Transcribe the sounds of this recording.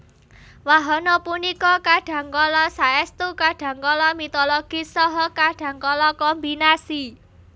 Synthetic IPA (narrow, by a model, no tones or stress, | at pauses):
waɦɔnɔpunikɔkaɖ̥ä̤ŋkɔlɔsaɛst̪ukaɖ̥ä̤ŋkɔlɔmit̪ɔloɡ̥isɔɦɔkaɖ̥ä̤ŋkɔlɔkɔmbinasi